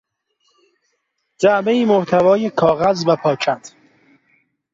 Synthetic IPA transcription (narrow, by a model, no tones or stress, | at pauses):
d͡ʒæmeiːmoht̪ʰævɒːjekʰɒːɣæzvæpʰɒːcʰænd̪̥